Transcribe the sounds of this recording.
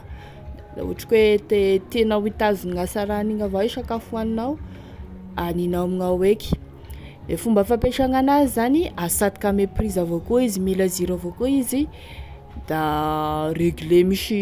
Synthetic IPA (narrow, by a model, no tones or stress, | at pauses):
la̰ṵaʈ͡ʂḁkwet̪et̪enawit̪azuniŋasaɾaniŋavaiʃakafuaninaw | aninamiŋaweki̥ | lefumbəfapeʃaŋanazizaniasat̪ikameprizavokoizimilaziɾavokoizi | d̪̥a | reɡylemiʃi